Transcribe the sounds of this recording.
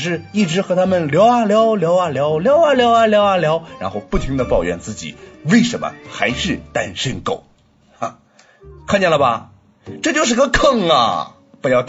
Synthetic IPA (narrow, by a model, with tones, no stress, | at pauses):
ʂ̬ɻ̩˥˧i˥˩ʈ͡ʂɻ̩˧˥xɤ˧˥t̪ʰa˥mə˨nljɑ˧˥ʊa˧˩ljɑ˧˥ʊljɑ˧˥ʊa˥˩ljɑ˧˥ʊljɑ˧˥ʊa˥˩ljɑ˧˥ʊa˧ljɑ˧˥ʊa˥˩ljɑ˧˥ʊɻa̰˧˥nxo˥˧ʊpu˥˩t̪ʰi˧˥ŋd̪ə˧pɑ˥˨˩ʊɥɛ̰˧˥nt͡sɹ̩˥˩t͡ɕḭ˨˩˦we˥˩ɪʂə˧˥nmə̰˧xa˧˥ɪʂɻ̩˥˩t̪a˥˧nʂə˥˧nko˥˩ʊ | a˧˩ | kʰa˥˧nt͡ɕjɛ˥˩nlə˩bɐ̰˩ | ʈ͡ʂɤ˥˧˩t͡ɕjo˥˧ʊʂɻ̩˥˧˥ɡə˧kʰɤ˥˩ŋɐ̰˨˩ | pjɑ˥˧ʊt̪